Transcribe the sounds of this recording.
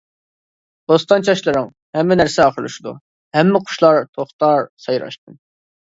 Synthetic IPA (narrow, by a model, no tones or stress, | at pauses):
d̪̥ost̪ɑnt͡ʃʰɑʃlˠɨɾɨŋ | hɛmːɪnæɾsɪɑχəɾlˠṵʃud̪ṵ | hɛmːɪqʰʊ̥ʃlˠɑɾt̪ʰoχt̪ɑɾsɑjɾɑ̰ʃt̪̚ʰɨn